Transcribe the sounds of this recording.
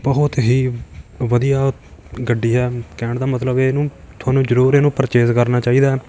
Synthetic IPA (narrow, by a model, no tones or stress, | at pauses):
bəɦʊt̪ɦiːʋəd̪ijaːɡəɖːiːɦɛːkɛ̃ːɳɖd̪aːmət̪ləbeːnũː | t̪ʰʊaːnũːd͡ʒəɾuːɾeːnũːpəɾt͡ʃeːzkəɾnaːt͡ʃaːiːd̪aː